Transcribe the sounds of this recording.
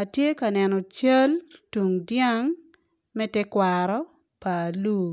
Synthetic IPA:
a˨tje˦ka˨nɛnɔ˨t͡ʃɐ˦ltu˨ŋdja˦ŋ | mɛ˦tɛ˦kwaɾɔ˦ | pa˨luː˦

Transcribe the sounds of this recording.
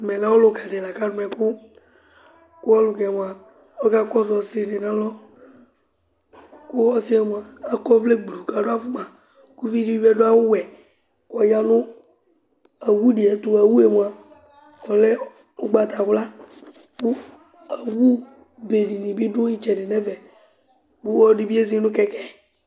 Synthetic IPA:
mɛ˨la˦wɔ˦lʊ˨ka˨dɪ˨la˨ka˦nʊ˨˦ɛ˨kʊ˦ | kʊ˦ɔ˦lʊ˨kɛ˨m˨a˨ | ɔ˦ka˦kɔ˦sɔ˨sɪ˦nɪ˨nã˦lɔ˦ | kʊ˦ɔ˦si˦ɛ˨m˨aː˨˦kɔ˦vle˦ɡ͡blu˨ka˨dʊ˦a˦fu˦ma˨ | ku˦vi˦di˦ɛ˦dʊ˦a˦wʊ˦wɛ˨ | kɔ˨ja˦nʊ˦ | a˨wu˦di˨ɛ˨tʊ˨a˨wu˦e˨mu˨a˨ | ɔ˨lɛ˦ | ʊ˦ɡ͡ba˨t̪a˨wla˦ | k͡pʊ˦ | a˨wu˦ | be˨di˨nĩ˨bi˦dʊ̃˦i˦t͡ʃɛ˨nɪ˨nɛ˦vɛ˨ | bu˦ɔ˦di˨bi˦e˦zi˦nʊ̃˦kɛ˦kɛ˦˨

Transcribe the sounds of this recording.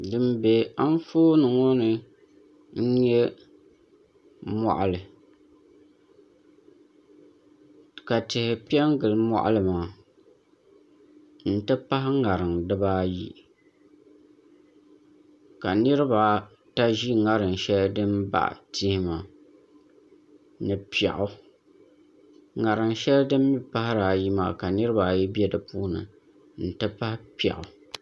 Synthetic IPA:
dɨ˨mbe˨a˦n˦foː˦nɨ˨ŋo˦nɨ˨ | n̩˦ɲɛ˦ | mɔ̰˦ʔa˨lɨ˨ | ka˨tɪ˨hɪ˨pi˦ɛ˦ŋɡɨ˨lmɔ̰˦ʔa̰˦lɨ˨maː˨ | n̩˦tɨ˦pa˦ɦɪ˦ŋa˨ɾɨ˨ŋdɨ˦ba˦jḭ˨ | ka˨nɨ˦ɾɨ˦ba˨ | ta˦ʒi˦ŋa˦ɾɨ˨n˨ʃɛ˦ldɨ˦mba̰˦ʔti˦hɪ˦ma˨ | nɨ˨pi˨ɛ̰˨ʔʊ˦ | ŋa˨ɾɨ˨ŋʃɛ˦ldɨ˦mː˦i˦pa˦hɪ˦ɾa˨ji˦maː˨ka˨nɨ˦ɾɨ˦ba˨jɛ˦bi˦ɛ˦dɨ˨puː˦nɨ̰˨ | n̩˨tɨ˦pa˦hɪ˦pi˦ɛ̰˨ʔʊ˨

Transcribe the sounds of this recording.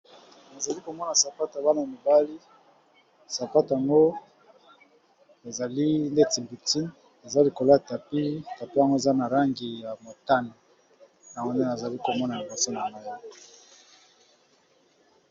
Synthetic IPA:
na˨za˨li˦ko˨mɔ˦na˨sa˨pa˦ta˨ba˦na˨ja˨mi˨ba˦li˦ | sa˨pa˦ta˨ŋɡo˦ | e˨za˨li˦nde˦ti˨mbi˨ti˦n | e˨za˦li˨ko˨lo˦˨ta˨pi˦˨ta˨pi˦ja˨ŋɡo˦e˨za˦na˨la˦ŋɡi˨ja˨mo˨ta˦ne˨ | na˨o˦ne˦na˨za˨li˦ko˨mɔ˦na˨ja˨bo˨so˦na˨ŋa˦jɔ˦kɔ˨

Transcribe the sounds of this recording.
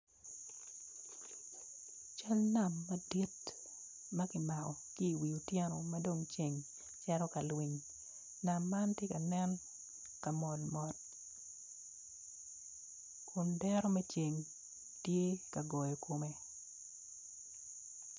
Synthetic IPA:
t͡ʃa˦lna˨mːɐdi˦t | mɐ˦kɪ˨ma˨kɔ˨kiː˦˨wi˨u˨tjɛ˦nɔ˨mado˦˨ŋt͡ʃe˨ŋ | t͡ʃɛ˦ɾɔ˦ka˨lwi˨ɲ | na˨mːa˦ntje˦ka˨nɛ˦n | ka˨mɔ˨lmɔ˨t̚ | kʰʊ˨ndɛɾɔ˦mɛ˦t͡ʃe˨ŋ | tje˦ka˨ɡɔ˨jɔ˨ko˨me˨

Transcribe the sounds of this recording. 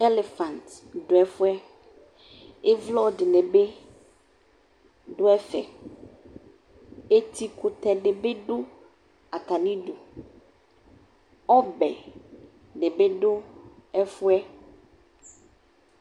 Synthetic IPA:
e˦le˨fa˨nt̪ | ɖo˨ɛ˦fu˦ɛ˦ | e˦vlɔ˦ɖe˨ne˨be˦ | ɖo˦ɛ˦fɛ̰˨ | e˦t̪i˦ku˨t̪ɛ˨ɖe˨be˦ɖo˦ | a˨t̪a˨nĩ˦ɖo˨ | ɔ˦bɛ˨ | ɖe˨be˦ɖo˦ɛ˦fu˦ɛ˦

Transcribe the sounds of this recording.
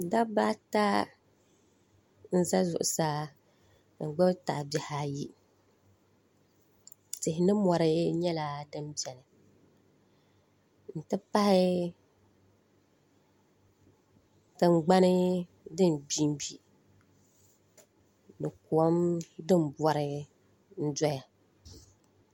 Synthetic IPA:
da˦ba˦ta˦ | n̩˦za˦zʊ̰˨ʔʊ˨sa˦˨ | ŋ̩˨ɡ͡bɨ˦bta̰˨bɛ˨ha˦ji˦ | tɪ˨hɪ˨˦nɨ˦mɔ˨ɾɨ˦ɲɛ˦la˨dɨ˦mbɛ˨nɨ˨ | n̩˨tɨ˦pa˦hɪ˦ | tɨ˨ŋ͡m̩˨ɡ͡ba˦nɨ˦ | dɨ˦n˨bi˦m˦bi˨ | nɨ˨ku˨ɔ˦mdɨ˦m˨bɔ˦ɾɨ˦ | n̩˦dɔ˦ja˨

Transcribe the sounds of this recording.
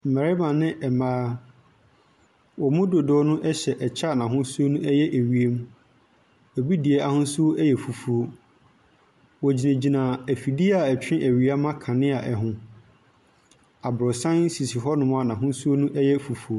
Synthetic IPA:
m̩˨mɛ˨ɾɪ˦mã˨nɪ̃˦ʔɛ˨mãː˦ | wɔ˨mʊ̃˦do˨dɔː˦nʊ̃˦ʔɛ˦ɕɛ˨ʔɛ˨t͡ɕʰa˦˨nã˨ɦʊ̃˦su˦o˦nũ˦ʔɛ˦jɛ˦ʔæ˨ɥi˨e˦m˦ | ɛ˨bi˦di˨ɛ˦ʔa˨hʊ̃˦su˦o˦ʔɛ˦jɛ˨fu˨fu˨o˦ | wɔ˨d͡ʑi˨næ̃˨d͡ʑi˨nã˨æ˨fi˨di˦a˨æ˨t͡ɕᶣɪ̃˦ʔæ˨ɥi˨a˦mã˦kʰã˨nɪ̃˦a˨ʔɛ˨ɦʊ̃˦ | a˨bɾɔ˨sã˦n̩˦si˨si˨ɦɔ˦nʊ̃˦m̃˦a˨nã˨ɦʊ̃˦su˦o˦nũ˦ʔɛ˦jɛ˦fu˨fu˨o˦

